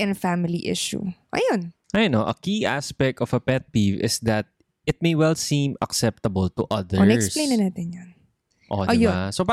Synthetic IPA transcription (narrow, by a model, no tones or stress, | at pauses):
ʔɛ̃nfamɪliʔɪ̰ʃṵʔɐ̰jon | ʔajnoʔɐkiʔa̰spɛk̚t̪ɔvɐpɛt̪̚pivɪ̰sd̪ɐt̪̚ | ɪt̪̚mejwɛlsĩmɐ̰ksɛp̚t̪ɐbɐlt̪ʊʔɐðɛoɹnɐɛkslejnɐnaːt̪ɪnjon | ʔo̰ʔojosopa